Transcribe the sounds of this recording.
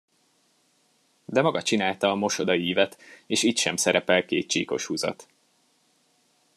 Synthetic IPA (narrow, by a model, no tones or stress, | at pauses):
d̪ɛmɒɡɒt͡ʃinaːlt̪ɒːmo̞ʃo̞d̪ɒiːvɛt̪eːʃiːt̪ʃɛmsɛɾɛpɛlkeːt̪̚t͡ʃḭːko̞̰ʃhuzɒ̰t̪